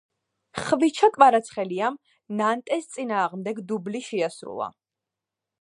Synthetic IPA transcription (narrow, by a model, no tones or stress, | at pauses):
χvit͡ʃʰakʼvaɾat̪sʰχɛliam | nant̪ʼɛst̪sʼinaːʁmd̪ɛɡd̪ubliʃɛasɾṵlˠa̰